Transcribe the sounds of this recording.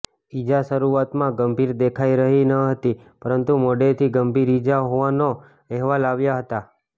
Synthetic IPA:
id͡ʒaʃəɾuat̪mãɡəmbʱiɾd̪ekʰaiɾəɦinəɦət̪i | pəɾənt̪umoɖet̪ʰiɡəmbʱiɾid͡ʒaɦoʋano | ɛɦʋalaʋjaɦət̪a

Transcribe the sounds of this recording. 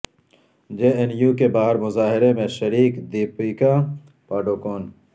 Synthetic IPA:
d͡ʒeːenjuːkebaːɦɪɾmʊzaːɦɪɾemẽʃɐɾiːkd̪iːpiːka | paːɖoːkoːn

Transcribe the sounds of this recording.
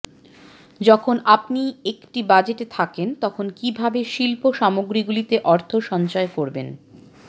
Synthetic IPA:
d͡ʑɔkʰonapniekʈibad͡ʑeʈet̪ʰakent̪ɔkʰonkibʱabeʃilpoʃamoɡɾiɡulit̪eʔɔɾt̪ʰoʃɔnt͡ɕaekoɾben

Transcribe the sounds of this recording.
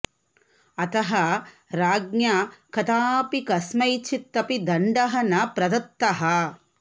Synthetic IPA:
ɐt̪ɐɦɐ | ɾaːɡ̚njɐkɐt̪aːpikɐsmɐjt͡ʃʰit̪ːɐpid̪ɐɳɖɐɦɐnɐpɾɐd̪ɐt̪ːɐɦɐ

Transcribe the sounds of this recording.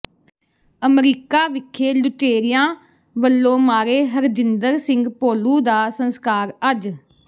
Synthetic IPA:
əmɾiːkaːʋɪkʰːeːlʊʈeːɾɪjãː | ʋəlːõːmaːɾeːɦəɾd͡ʒɪnd̪əɾsɪ̃ŋɡpoːluːd̪aːsənskaːɾəd͡ʒ

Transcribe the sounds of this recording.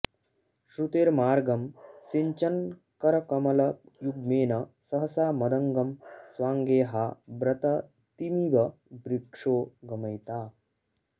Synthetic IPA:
ɕɾut̪eːɾmaːɾɡɐmsiɲt͡ʃɐn | kɐɾɐkɐmɐlɐjuɡ̚meːnɐsɐɦɐsaːmɐd̪ɐŋɡɐmsʋaːŋɡeːɦabɾɐt̪ɐ | t̪imiʋɐbɾikʂoːɡɐmɐjt̪aː

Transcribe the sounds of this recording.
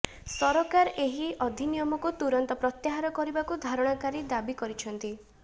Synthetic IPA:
sɔɾɔkaɾeɦiʔɔd̪ʱinijɔmɔkut̪uɾɔnt̪ɔpɾɔt̪jaɦaɾɔkɔɾibakud̪ʱaɾɔɽ̃ɔkaɾid̪abikɔɾit͡ʃʰɔnt̪i

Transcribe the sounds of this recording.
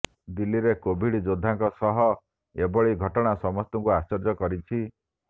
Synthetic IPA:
d̪ilːiɾekobʱiɽid͡ʒod̪ʱːaŋkɔsɔɦɔ | ebɔɭiɡʱɔʈɔɽ̃asɔmɔst̪ɔŋkuast͡ʃɔɾd͡ʒɔkɔɾit͡ʃʰi

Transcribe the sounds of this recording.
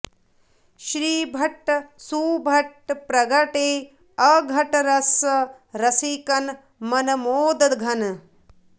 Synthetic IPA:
ʃɾiːbʱɐʈːsuːbʱɐʈpɾɐɡɐʈeː | ɐɡʱɐʈɐɾɐsɐ | ɾɐsikɐn | mɐnɐmoːd̪ɐd̪ɡʱɐn

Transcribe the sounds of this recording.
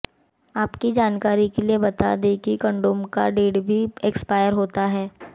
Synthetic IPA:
aːpkid͡ʒaːnkaːɾikeliebɐt̪a̰d̪ẽkikə̃ɳɖoːmka̰ɖeːʈbʱiekspaːjəɾɦoːt̪aɦɛː

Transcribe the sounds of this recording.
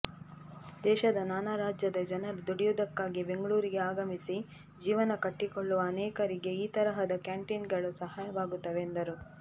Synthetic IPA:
d̪ɛːʃɐd̪ɐnaːnaɾaːd͡ʒjɐd̪ɐd͡ʒɐnɐɾd̪uɽijud̪ɐkːaːɡibe̞ŋɡɭuːɾiɡe̞aːɡɐmisi | d͡ʒiːʋɐnɐkɐʈːikoɭːuʋɐːnɛːkɐɾiɡe̞iːt̪ɐɾɐɦɐd̪ɐkjaːɳʈinɡɐɭusɐɦaːjɐʋaːɡut̪ːɐʋeːnd̪ɐɾu

